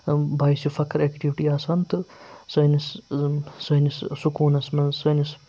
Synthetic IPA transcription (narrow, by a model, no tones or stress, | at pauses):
bʱaːjsjufʰɐkɐɾekʈiʋiʈiaːsɐnt̪ɨsɐjnis | sɐjnissukuːnɐsmɐsɐːnis